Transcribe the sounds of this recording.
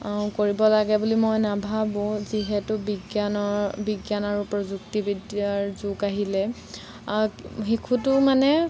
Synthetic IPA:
koɹibɔlaɡɛbulimojnabʱabʊ̃ziɦɛtʊbiɡjanɔbiɡjanaɹupɹɔzuktibidjaɹzukaɦilɛ | xikʰutʊmanɛ

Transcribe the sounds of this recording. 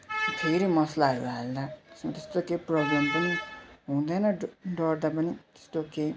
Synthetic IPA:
smt̪ʰeɾimʌslaɦʌɾṵald̪at̪e̥smat̪est̪okeprʌblempʌniɦũd̪ʌjnʌɖʌrd̪apʌnit̪e̥st̪oke

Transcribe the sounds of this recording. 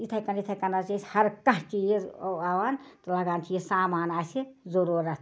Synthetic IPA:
it̪ʰɐkɐnit̪ʰɐkɐnat͡ʃesʲhɐɾkɐɦt͡ʃijeawaːnt̪lɐɡaːnt̪ʰijesaːmaːnaːsʰizoɾuːɾɐt̪ʰ

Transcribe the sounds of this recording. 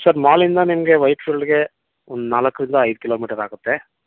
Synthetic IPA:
sɐɾmaːlind̪ɐnimɐɡe̞ʋɐjpʃuɭiɡe̞ | ond̪unaːlɐkːɾind̪ɐɐjd̪ukiloːmiːʈɐɾaːɡut̪ːe̞

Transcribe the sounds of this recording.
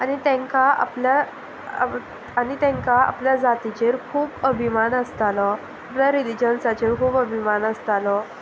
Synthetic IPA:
añit̪ɛ̃ŋkaa̰plja | anit̪ɛ̃ŋkaa̰pljad͡zat̪it͡ɕeɾkʰuːbəbʱimanəst̪alɔ | apljaɾilid͡ʑənsat͡ɕeɾkʰuːbəbʱimanəst̪alɔ

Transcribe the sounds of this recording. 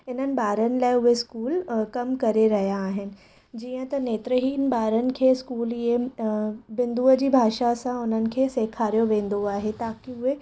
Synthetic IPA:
ɪn̤ənɪ̆ɓaːɾənɪ̆laːɪʊɦeskuːlkɐmkɐɾeɾɐɦijaːɦɪnɪ̆ | d͡ʑiːə̃t̪ɐneːt̪ɾəɦiːnɓaːɾənɪ̆kʰeːskuːlie | bɪ̃nd̪uːəd͡ʑiːbʱaːʃasãʊn̤ənɪ̆kʰeːseːkʰaːɾijoʋẽːn̆d̪oaːɦet̪aːkiʊɦe

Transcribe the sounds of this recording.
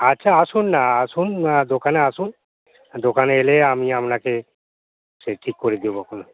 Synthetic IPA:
atːʃʰaasunːaasund̪okaneasun | d̪okaneeleamiapnake | seʈʰikːoɾed̪ibokono

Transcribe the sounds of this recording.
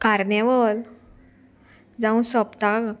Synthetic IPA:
kaɾnɛʋəl | d͡zãũsɔpt̪a

